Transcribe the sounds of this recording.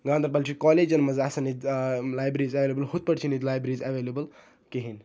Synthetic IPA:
ɡãːnd̪ʱɐɾbɐlt͡ʃʰikɔled͡ʒɐnmɐzasɐnid̪laːjbɾizɐʋelebəlhut̪̚pəɽt͡ʃʰinid̪laːjbɾɾizɐʋelebəl | keɦin

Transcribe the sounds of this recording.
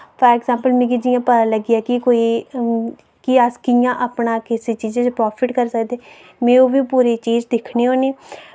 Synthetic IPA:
pʰəɾɛːkzãːmpəlmɛ̃ːkɪd͡ʒɪjãːpəãːləɡɪjaːkɪkoːiː | kɪəskɪjãːʔaːpɳaːkɪseːt͡ʃiːzeːt͡ʃpɾɔːpʰɪʈkəɾsəkd̪eː | mẽːoːʋiːpuːɾeːt͡ʃiːd͡ʒd̪ɪkʰneːɦoːneː

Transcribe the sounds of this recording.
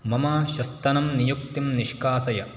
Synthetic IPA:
mɐmaːʃɐst̪ɐnɐmnijuk̚t̪imniʃkaːsɐjɐ

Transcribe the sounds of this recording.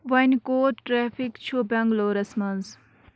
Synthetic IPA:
ʋɐnkoːʈʈɾeːfʰikt͡ʃʰubʲɐ̃ŋɡloːɾɐsmɐnz

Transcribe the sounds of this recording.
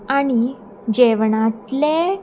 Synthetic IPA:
aɽ̃i | d͡ʑeʋɳat̪le

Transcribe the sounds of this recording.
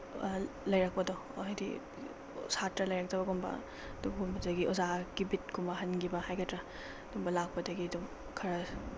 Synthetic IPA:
lɐjɾak̚pɐdɔ̰ | ɦajdḭ | satɾɐlɐjɾak̚tɐβɐɡɔmbɐ̰ | duɡumbɐdɐɡiʔɔzaɡibit̚kʰumbɐɦɐnɡibɐhajɡɐtɾɐ | d̥umbɐlak̚pɐdɐɡiɐdum | kʰɐɾɐ

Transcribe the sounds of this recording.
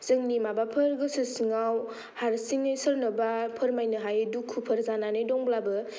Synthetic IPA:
zɯŋnimabapʰɯɾɡɯsɯsiŋaw | haɾsiŋesəɾnɐbapʰəɾmajnɯɦajdukʰːupʰəɾzananedɔŋblabɯ

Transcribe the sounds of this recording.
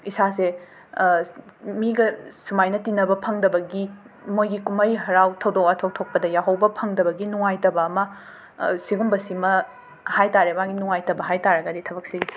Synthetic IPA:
isase | miɡɐsumajnɐtinɐbɐpʰɐŋdɐbɐɡi | mojɡikumɐjɦɐɾawtʰɐwdok̚ɐtʰok̚tʰok̚pɐdɐjawɦɐwbɐpʰɐŋdɐbɐɡinuŋajtɐbɐːmɐ | siɡumbɐsimɐ | hajtaɾeɐmaɡinuŋajtɐbɐɦajtaɾɐɡɐditʰɐbɐk̚seɡi

